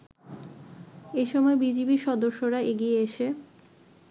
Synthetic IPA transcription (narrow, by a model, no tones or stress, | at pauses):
eʃɔmɔebid͡ʑibiʃɔd̪oɾʃːoɾaeɡieeʃe